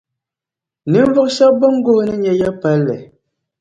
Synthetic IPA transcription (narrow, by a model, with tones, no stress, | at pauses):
ni˨˦m˦vo˦k̚ʃa˦bɔ˦ŋ˦ɡo˦nə˦ɲɛ˨jɛ˦pɛ˨˦lːɛ̰˨